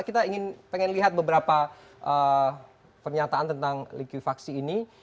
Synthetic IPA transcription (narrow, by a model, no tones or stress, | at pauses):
kit̪aiŋɪnpeŋɛnliɦat̪̚bəbəɾapa | ʔə | pərɲat̪aant̪ənt̪aŋlikwifaksiːni